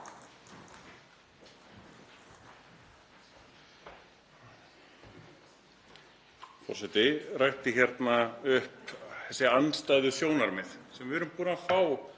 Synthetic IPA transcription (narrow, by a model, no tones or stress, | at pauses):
fɔ̰rsɛt̪ɪrajht̪ɪçjɛɾt̪naʏhpθɛsːɪanst̪ajðʏsjoːwnaɾmɪðsɛmvɪʏɾʏmpuːnafaːw